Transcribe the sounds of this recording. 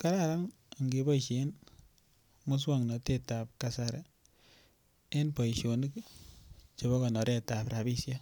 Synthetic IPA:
ka˦ɾa˦ɾa˦ŋ˨ | ŋɡe˨bɔ˦iʃe˨n | mu˦s̬wa˦ŋnɔ˨te˦ta˨p̚ka˨saɾa | e˦npa˨i˨ʃo˨ni˦k | t͡ʃe˨βɔ˦ka˨nɔ˨ɾe˦ta˨pɾa˨bi˦sja˦

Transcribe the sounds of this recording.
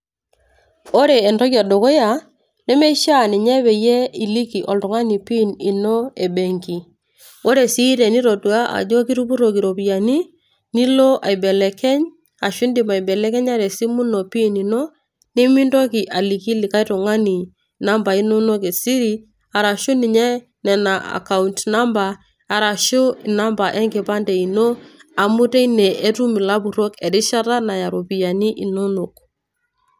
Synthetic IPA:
o˦ɾeː˨ntɔ˦kja˨do˨ko˦ja˨ | nɛ˦me˦ʃa˦˨nɛ˨ɲɛ˦βe˨je˦i˨li˦ki˨ʔo˨ltʊ˨ŋa˦ni˨pi˦ni˨no˦e˨be˨ŋki˨ | o˦ɾe˨si˦ɾe˨ni˦ɾo˨tu˨a˦ʔa̰˨d͡ʒo˦ki˦ɾu˦pu˦ɾo˨ki˨ɾo˨pi˨ja˨ni˦ | ni˦lo˦ʔa̰˨i˨be˨lɛ˨kɛ˦ɲ | a˨ʃi˦ndi˨ma˨i˨bɛ˨lɛ˦kɛ˦ɲa˦ɾe˨si˦mu˦no˨pi˦ni˨no˦ | ne˦mi˦ndɔ˦ki˨ʔa˨li˨ki˦li˨ka˦i˦tɔ˨ŋa˦ni˨ | na˦mba˨i˦no˦no˦ke˨si˦ɾi˦ | a˨ɾa˨ʃu˦ni˨ɲɛ˦ | nɛ˨na˨a̰˨ka˨u˨ntna˦mbaː˨ | ɾa˨ʃo˦˨na˦mba˨ʔɛ˦ŋkɪ˨pa˦ndɛ˨i˨no˦a˨mu˦te˦i˦nɛ˨ʔe˦tu˦mi˨la˦bu˨ɾo˦kɛ˨ɾi˦ʃa˦ɾa˦na˨ja˨ɾo˨pi˨ja˨ni˦ʔi˨no˦no˨k

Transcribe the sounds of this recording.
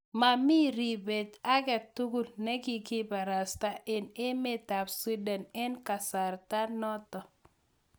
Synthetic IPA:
ma˨mi˦ɾi˨be˨ta˦ɡɛ˨tːu˦ɡu˦lnɛ˦ɡi˦ɡi˦ba˨ɾa˨sta˦ʔɪ˨ne˦me˦˨ta˨bsi˦dɛ˨nɛ˦nka˨sa˨ɾta˦nɔ˦tɔ˨

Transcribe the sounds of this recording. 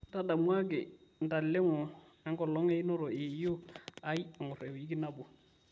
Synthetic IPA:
n˦ta˦da˨mwa˦kɪ˨n̩˨ta˨l̩˨le˦ŋʊ˨ | ɛ˦ŋkɔ˨lɔ˦ŋɛ˦ɪ˦nɔ˦ɾɔ˨ɪ˨jo˦a˦i˦a˨ŋʊ˨rɛ˨ʊ˨i˦k̬ʼɪ˦na˦bʊ˨

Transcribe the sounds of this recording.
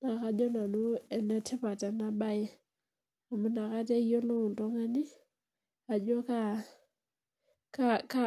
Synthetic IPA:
na˨ka˦d͡ʒɔ˦na˨nu˦ɛ˨nɛ˦tʰɪ˦pa˨ta˨na˦ba˦jɪ˦ | a˨mu˦na˨ka˦tɛ˦jo˦lo˦ʊ˨ntɔ˦ŋa˦nɪ˦ | a˨d͡ʒɔ˦ka˦ | kaka˦

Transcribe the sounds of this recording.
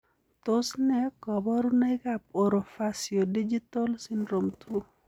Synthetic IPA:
t̪o˦snɛ˦kɔ˨bɔ˦ɾuna˦ɪkap̚oɾo˨fasjo˨di˦d͡ʒi˦t̪ɔ˦lsɪ˦ndɾo˨mt̪ʰu˦

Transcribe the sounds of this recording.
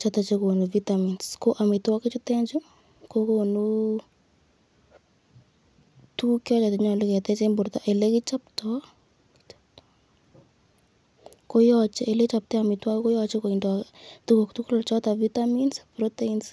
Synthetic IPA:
t͡ʃa˦ta˨t͡ʃe˦ko˨nu˨vi˦taminsko˦ʔa˨mɪ˨ta˦ke˦t͡ʃu˦tɛ˦ɲd͡ʒu˦ | ko˦ko˨nu˦ | tu˦kjɔ˦t͡ʃa˨tɪ˨ɲɔ˨lɪ˦kɛ˨tɛ˦t͡ʃe˦mbʊ˨ɾt̪a˦ʔe˨le˦kɪ˦t͡ʃa˦ptɔ˦ | kt͡ʃp̚t | ko˦jɔt͡ʃe˦e˨le˦t͡ʃa˨p̚tɛ˦a˨mɪ˨twa˦kko˦jɔt͡ʃe˦ko˨i˨ndɔtu˦ko˨ktu˦klɔ˨rt͡ʃɔ˦ta˨vi˦taminspɾɔ˦te˦ins

